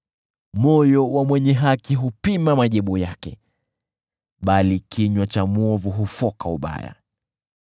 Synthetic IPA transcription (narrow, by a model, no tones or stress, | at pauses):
mɔjɔwamwɛɲɛɦakiɦupimamaʄiɓujakɛ | ɓalikʰiɲwat͡ʃamɔvuɦufɔkauɓa̰ja̰